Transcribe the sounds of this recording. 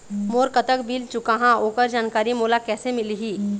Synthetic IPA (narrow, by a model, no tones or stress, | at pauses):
moːɾkət̪əkbiːlt͡ʃʊkaɦãoːkəɾd͡ʒaːnkaːɾimoːlakɛːsemɪliɦiː